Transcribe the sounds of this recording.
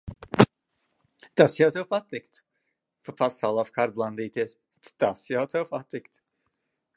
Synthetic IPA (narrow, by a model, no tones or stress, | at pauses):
t̪asjawt̪ɛwpat̪ːɪkt̪ | papasawlˠafkaːɾblˠand̪iːt̪iɛs | t̪t̪asjawt̪ɛwpat̪ːɪkt̪